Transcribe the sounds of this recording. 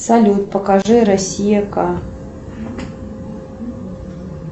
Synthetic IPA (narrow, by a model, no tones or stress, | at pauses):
sɐlʲut̪̚pəkaʐɨɾɐsʲijaka